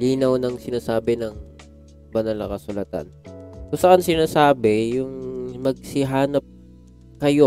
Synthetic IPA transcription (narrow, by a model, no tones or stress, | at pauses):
liːnɐwnɐŋsɪnaːsaːbɪnɐŋ | bɐnalɐ̰kɐsʊlɐt̪a̰nkʊsɐʔansɪnaːsaːbɛjʊŋmɐɡ̚sɪɦaːnɐp̚ | kɐjo̞